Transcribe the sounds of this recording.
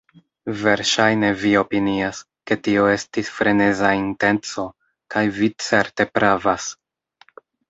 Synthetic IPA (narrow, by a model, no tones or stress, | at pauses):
ve̞ɾʃajne̞vio̞pinias | ke̞tio̞e̞stisfɾe̞ne̞zainte̞nt͡so̞ | kajvit͡se̞ɾte̞pɾavas